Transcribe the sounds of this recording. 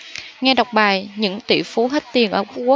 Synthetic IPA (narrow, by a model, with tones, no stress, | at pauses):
ŋɛ˧ɗa˨˩wk͡p̚ɓaː˨˩jɲɨ̰˧˥ŋt̪ḭ˧˩˨fu˨˦ɦe˦˥t̚t̪i˨˩ənʔəː˧˩ku˦˥ku˨˦˥